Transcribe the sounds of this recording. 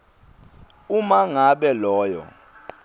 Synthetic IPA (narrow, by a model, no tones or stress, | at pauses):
umaŋaɓɛlɔːjɔ̰